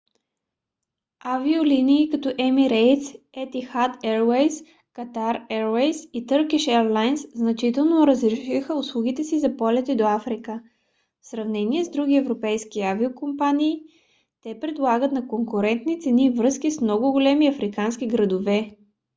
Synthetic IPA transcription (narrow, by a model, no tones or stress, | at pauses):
avioliniːkɐt̪ɔʔɛmiɾɛjt̪s | ɛt̪ixat̪ɛɾwɛjs | kɐt̪aɾɛɾwɛjsit̪ɤɾkiʃɛɾlˠajnsznɐt͡ʃit̪ɛlˠnoɾəzɾɛʃixəʊslˠuɡ̟it̪ɛsizɐpɔlʲɛt̪ɛd̪oafɾikə | fsɾɐvnɛniɛzd̪ɾuɡ̟ʲiɛvɾopɛjskiaviokompaniː | t̪ɛpɾɛd̪lˠaɡət̪nɐkoŋkʊɾɛnt̪nit̪sɛnivɾɤskismnɔɡʊɡolɛmiɐfɾikansk̟iɡɾɐd̪ovɛ